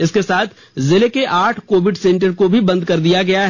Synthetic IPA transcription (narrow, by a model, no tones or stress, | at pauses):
ɪskesaːt̪ʰ | zɪlekeʔaːʈʰkoːʋɪɖsẽːɳʈəɾkobʱibɐ̃nd̪̚kɐɾd̪ijaɡɐjaɦ